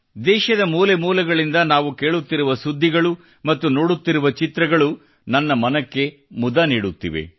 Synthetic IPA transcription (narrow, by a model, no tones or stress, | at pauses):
d̪ɛːʃɐd̪ɐmuːlemuːlɐɡɐɭind̪ɐnaːʋukeːɭut̪ːiɾuʋɐsud̪ʱːiɡɐɭu | mɐt̪ːuno̞ːɽut̪ːiɾuʋɐt͡ʃit̪ɾɐɡɐɭu | nɐnːɐmɐnɐkːe̞ | mud̪ɐniːɽut̪ːḭʋḛ